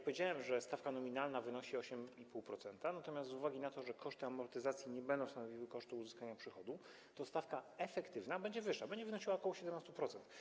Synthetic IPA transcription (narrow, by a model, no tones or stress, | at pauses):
kpɔvʲjed͡ʑawɛmʐɛst̪afkanɔmʲinalnavɘnɔɕiɔɕɛmipuwpɾɔt̪sɛnt̪anat̪ɔmʲjast̪zuvaɡʲinat̪ɔʐɛkʰɔʂt̪ɘamɔɾt̪ɘzat̪sʲjiɲɛbɛnd̪ɔ̃w̃st̪anɔvʲiwɘkɔʂt̪uːzɘskaɲapʂɘxɔd̪u | t̪ɔst̪afkaɛfɛkt̪ɘvnabɛɲd͡ʑɛvɘʂːabɛɲd͡ʑɛvɘnɔɕiwakɔwɔɕɛd̪ɛmnast̪upɾɔt̪sɛnt̪